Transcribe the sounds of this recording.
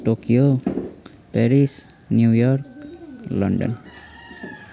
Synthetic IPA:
tokijo | pɛɹis | njujɔɾklɔ̰nɖɔ̰n

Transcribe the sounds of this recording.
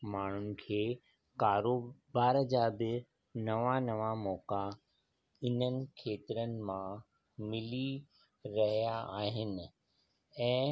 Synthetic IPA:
maːɳ̤ʊnɪ̆kʰeː | kaːɾoːbaːɾd͡ʑaːbɪ | nɐʋanɐʋamɔːka | ɪnənɪ̆kʰeːt̪ɪɾənɪ̆mã | mɪli | ɾɐɦijaaːɦɪnɪ̆ | ɛ̃ː

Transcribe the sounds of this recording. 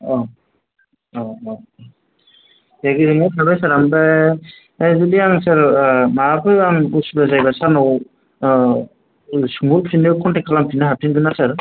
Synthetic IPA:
ɔ | ɔ | jaɡiɾɯŋasʰabajsaɾamba | zɯliaŋsaɾmaapʰɯjaŋbusbazajbasaɾnɔw | suŋulpʰinɯwkʰɔntɛkʰalampʰinaɦapʰinɡɯnasaɾ

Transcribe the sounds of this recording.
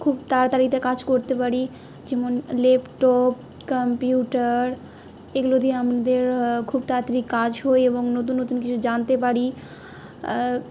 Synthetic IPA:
kʰubt̪aɾt̪aɾit̪akad͡ʑkoɾt̪epaɾi | d͡ʑɛmonlepʈɔp̚ | kampjiuʈaɾ | eɡulod̪iamad̪eɾkʰubt̪at̪ɾikːad͡ʑɦoeeboŋnot̪̬unːot̪unk̬it͡ɕʰud͡ʑant̪epaɾi

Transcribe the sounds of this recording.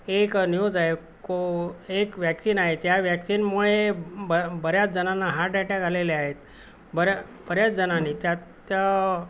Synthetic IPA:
eknijod͡zaɦe | koekʋjæksinaɦet̪jaʋjæksinmuɭebəbəɾjat͡sd͡zənanːaɦaʈɖaʈjakaleleaɦet̪ | bəɾja | b̥əɾjat͡sd͡zənanːit̪jat̪ja

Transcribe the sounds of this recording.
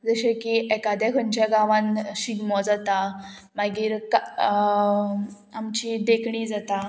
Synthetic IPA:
d͡zəɕekiɛkad̪akʰəɳt͡ɕjaɡaʋãnɕiɡmɔd͡zat̪a | maɡiːɾka | amt͡ɕid̪ekɳiːd͡zat̪a

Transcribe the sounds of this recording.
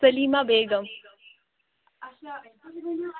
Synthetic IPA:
sɐliːmaːbeːɡɐm

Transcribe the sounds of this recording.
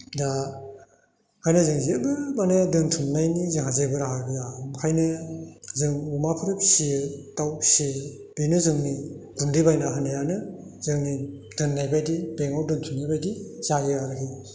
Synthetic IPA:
da | kʰajnɯzɯŋzebɯmanedɯntʰunːajnizɯŋhazebɯɾaɦabɯjamkʰajnɯzɯŋumapʰɯɾɯp̚sitawsi | b̥enɯzɯŋniɡundibajnaɦɯnɯjanɯzɯŋnidɯnːajbajdibeŋɔdɯntʰunːajbajdiz̥ajɯaɾkʰi

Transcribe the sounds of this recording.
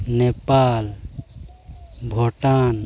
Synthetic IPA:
nepaːl | bʱoʈaːn

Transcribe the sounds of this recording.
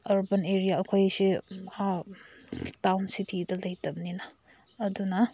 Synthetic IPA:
ɐɾbɐneɾijaɐkʰojsia | tawnsitʰidɐlɐjtɐm̚ninɐː | dunɐ

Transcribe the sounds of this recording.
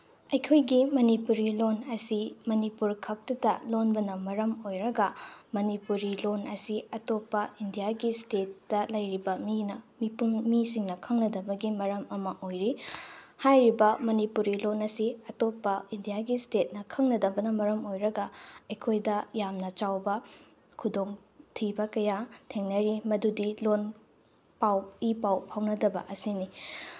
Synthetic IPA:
ɐjkʰojɡimɐnipuɾilonɐsimɐnipuɾkʰɐk̚tɐtɐlonbɐnɐmɐɾɐmojɾɐɡɐmɐnipuɾilonɐsiɐtopːɐindijaɡistetːɐlɐjɾibɐminɐmipuŋmisiŋnɐkʰɐŋnɐdɐbɐɡimɐɾɐmɐmɐʔojɾihajɾibɐmɐnipuɾilonɐsiɐtopːɐindijaɡistet̚nɐkʰɐŋnɐdɐbɐnɐmɐɾɐmojɾɐɡɐɐjkʰojdɐjamnɐt͡ʃawbɐ | kʰudoŋ | tʰibɐkɐjatʰeŋnɐɾimɐdudilon | pawipawhawnɐdɐbɐ̰ʔɐsini

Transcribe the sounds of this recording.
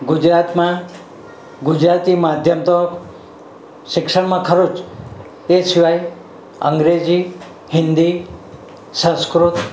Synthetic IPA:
ɡʊd͡ʒɾat̪mã | ɡʊd͡ʒɾat̪imad̪ʱjəmt̪ɔk | ʃɪkʃəɽmãkʰəɾot͡ʃ | esɪʋaj | ə̰ŋɡɾed͡ʒi | hɪ̃nd̪i | sə̃skɾut̪

